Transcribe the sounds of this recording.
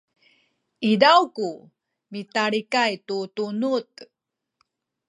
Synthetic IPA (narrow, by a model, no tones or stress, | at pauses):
idawku | mitaɾikajtutunut